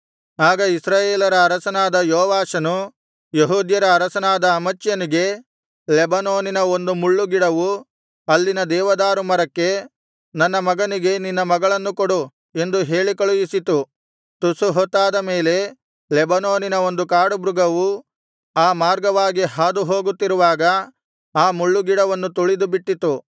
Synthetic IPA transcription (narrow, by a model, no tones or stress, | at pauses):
aːɡɐisɾaːjeːlɐɾɐːɾɐsɐnaːd̪ɐjoːʋaːʂɐnu | jeɦuːd̪jɐɾɐːɾɐsɐnaːd̪ɐːmɐt͡ʃːjɐniɡe̞ | lɛbɐnoːninɐo̞nd̪umuɭːuɡiɽɐʋu | ɐlːinɐd̪ɛːʋɐd̪aːɾumɐɾɐkːe̞ | nɐnːɐmɐɡɐniɡe̞ninːɐmɐɡɐɭɐnːukoɽu | e̞nd̪uɦe̞ːɭikɐɭujisit̪u | t̪usuɦɔt̪ːaːd̪ɐme̞ːle̞ | lɛbɐnoːninɐo̞nd̪ukaːɽubɾuɡɐʋu | aːmaːɾɡɐʋaːɡiɦaːd̪uɦo̞ːɡut̪ːiɾuʋaːɡɐ | aːmuɭːuɡiɽɐʋɐnːut̪uɭid̪ubiʈːit̪u